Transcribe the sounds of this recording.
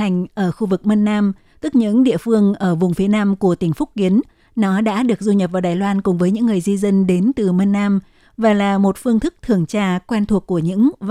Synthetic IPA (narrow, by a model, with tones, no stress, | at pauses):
jŋ̟ʔəː˧˩xu˧vɨ˨˩k̚mə˧nːaː˧m | t̪ɨ˦˥k̚ɲɨ̰˧˥ŋɗḭ˧˨əfɨ˧əŋʔəː˧˩vʊ˨˩ŋ͡mfi˨˦ənaː˧mku˧˩ət̪ï˧˩ŋ̟fʊ˦˥k͡p̚ki˨˦ən | nɔ˨˦ɗa̰ː˧˥ɗɨ˨˩ək̚zu˧ɲə˨˩p̚vaː˨˩ɗaː˨˩jlwaː˧nkʊ˨˩ŋ͡mvəː˨˦jɲɨ̰˧˥ŋːɨ˨˩əjzi˧zə˧nɗe˨˦nt̪ɨ˨˩mə˧nːaː˧m | vaː˨˩laː˨˩mo˨˩t̚fɨ˧əŋt̪ʰɨ˦˥k̚t̪ʰɨ˨˩əŋt͡ɕaː˧kwɛ˧nt̪ʰu˨˩əkːu˧˩əɲɨ̰˧˥ŋ